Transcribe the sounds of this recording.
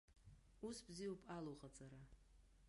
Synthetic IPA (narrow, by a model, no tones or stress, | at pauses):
usbzijaupʼaluqʼat͡sʼaɾa